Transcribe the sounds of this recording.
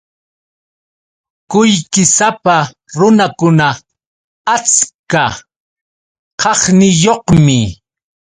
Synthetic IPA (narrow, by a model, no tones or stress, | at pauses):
kʊjkɪsapa | ɾʊnakʊna | at͡ska | qʰɑχnɪjoqmɪ